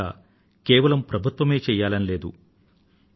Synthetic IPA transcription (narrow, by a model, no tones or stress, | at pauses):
a̰ː | keːʋɐlɐmpɾɐbʱut̪ʋɐme̞ːt͡ʃɛːjːaːlɐnile̞ːd̪ṵ